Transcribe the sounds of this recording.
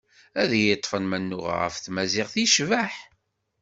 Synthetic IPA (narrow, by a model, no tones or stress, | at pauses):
æðjət̪ˤːfənmænːʊʁ̰ʁə̰fθmæzɪʁθiʃvæħ